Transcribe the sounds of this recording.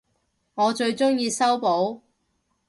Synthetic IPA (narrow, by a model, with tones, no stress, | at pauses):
ŋɔː˨˧t͡ʃɵ˧ɥt͡ʃʊ˥ŋjiː˧sɐ˥wpo˨˥w